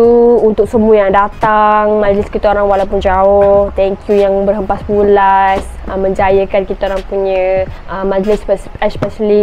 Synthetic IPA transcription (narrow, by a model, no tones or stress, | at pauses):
uunt̪ʊk̚səmuəjaŋdat̪aŋmad͡ʒəlɪskit̪aoɾaŋwalapʊnd͡ʒaʊht̪ɛŋkʰjujaŋbərɦəmpaspulasəmə̃ɲd͡ʒajəkankit̪aoɾaŋpuɲəʔəmad͡ʒlɪsɛspɛsəli